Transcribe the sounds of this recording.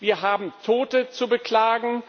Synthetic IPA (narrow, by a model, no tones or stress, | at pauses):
viːɐɦaːbm̩tʰoːtət͡subəkl̥aːɡŋ̩